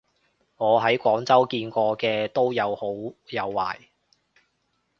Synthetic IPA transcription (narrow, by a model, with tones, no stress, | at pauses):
ŋɔː˨˧ɦɐ˨˥jkʷɔː˨˥ŋt͡sɐ˥wkiː˧nkʷɔː˧kɛː˧t̪o˥wjɐ˨˧who˨˥wjɐ˨˧wːa̰ː˨˩j